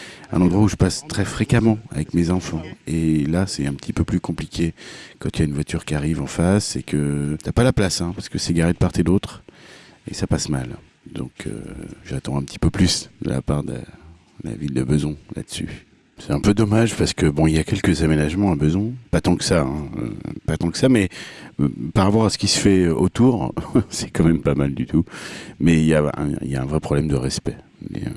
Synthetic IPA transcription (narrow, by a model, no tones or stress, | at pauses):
ɛ̰̃nɑ̃d̪ʁwauʒəpast̪χɛfχekamɑ̃a̰vɛkmezɑ̃fɑ̃elasɛt̪ɛ̃pət̪ʰipøplykɔ̃plikʲʰekɑ̃t̪ʰyaynvwat̪ʰyʁkʲiaʁivɑ̃fasekət̪yapalaplasɛ̃paʁsə̥kəsɛɡaʁed̪əpaʁt̪ed̪ot̪χ | ḛsapasmal | d̪ɔ̰̃kʰø̰ʒat̪ɑ̃ɛ̃pət̪ʰi̥pøplysd̪ə̰lʔa̰paʁd̪ə̰ | dəla̰vild̪əbəzwɛ̃la̰d̪əsy̰ | sɛt̪ɛ̃pød̪ɔmaʒpaʁsə̥kəbɔ̃iljakʲɛlkəzamenaʒmɑ̃abəzwɛ̃pat̪ɑ̃kə̥saɛ̃ø̰pat̪ɑ̃kə̥samɛ | paʁapɔʁasə̥kʲisə̥fɛot̪uʁsɛ̥kɑ̃mɛmpamald̪yt̪umɛiljaɛ̰̃ḭljaɛ̃vʁɛpχɔblɛmd̪əʁɛspɛ | mɛ̰ø̰